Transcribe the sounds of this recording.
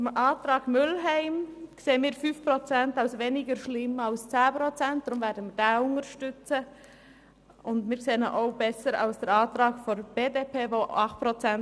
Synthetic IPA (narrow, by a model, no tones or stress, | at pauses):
t͡sʊmʔɑːtɾɑːɡmʏlɦɛɪmkseːənmiːɾfyfpɾot͡sɛntaʊsveːnɪɡəɾʃlɪmaʊst͡sæːpɾot͡sɛnt̚d̥ɾʊmvɛːɾdəmiːdɑːʊntəɾʃtʏt͡sə | ʊndmiːkseːəno̰ʔaʊbɛsəɾa̰ʊsd̥ɛɾɑːtɾɑːɡfɔnb̥eːdepʰeːvoɑχt̚pɾot͡sɛn